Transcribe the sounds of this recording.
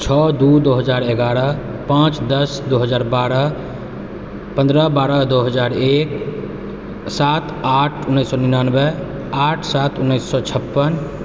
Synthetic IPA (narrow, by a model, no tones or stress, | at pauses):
t͡ʃʰɔd̪ud̪oɦəd͡ʒaɾeɡaɾə | pãt͡ʃd̪əsd̪oɦəd͡ʒaːɾbaɾə | pə̃nd̪ɾəbaɾəd̪oɦəd͡ʒaɾek | sat̪ʰaʈʰunːəjsːɔninanbə | aʈʰsat̪unːəɪsːɔt͡ʃʰəpːən